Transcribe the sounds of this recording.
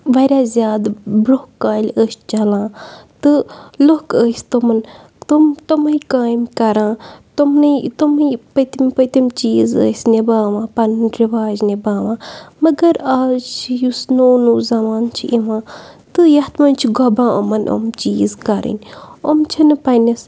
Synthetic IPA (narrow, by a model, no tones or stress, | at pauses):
ʋɐɾʲaːzʲjaːd̪bɾokːaːlʲəːst͡ʃɐlãːt̪ɨlokəːst̪omɐn | t̪umt̪omɐikaːjmkɐɾãːt̪omnɨt̪ompət̪imʲpət̪imt͡ʃiːzə̰ːsʲnebaːʋãːpɐndɾiʋaːd͡ʒnebaːʋãːmɐɡɐɾaːzt͡ʃʰjusnoːnuːzɐmaːnt͡ʃʰiʔiʋãːt̪ɨjɐt̪mɐnt͡ʃʰiɡɐbãːʔomɐnʔo̰mt͡ʃiːzkɐɾḭnʲomt͡ʃʰɐnɨpɐnɐs